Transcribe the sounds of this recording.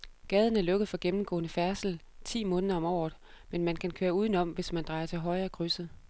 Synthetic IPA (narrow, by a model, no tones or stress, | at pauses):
ɡ̥ɛːð̞ˠən̩æɐlɔ̽ɡ̥əð̩ˠfɒ̽ɡ̥emm̩ɡ̥ɔ̰̽ːnəfæɐsl̩t͡sʰḭːmɔ̽ːnəðˠɐɒ̽mɒ̰ːð̩ˠ | menmænkʰænkʰøːɐuːð̞ˠən̩ɒ̽m̰ʋe̝smænd̥ʁɑ̈ɪɐt͡sʰe̝lɦɒ̽ɪɐɡ̥ʰʁysəð̩ˠ